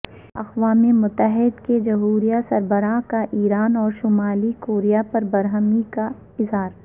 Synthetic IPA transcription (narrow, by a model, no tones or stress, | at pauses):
ɐ̰xʋaːmemʊt̪ːəɦɪd̪ked͡ʒɐɦuːɾijasɐɾbəɾakaʔiːɾaːnɔːɾʃʊmaːlikoːɾijapɐɾbɐɾɦəmika | ɪzɦaːɾ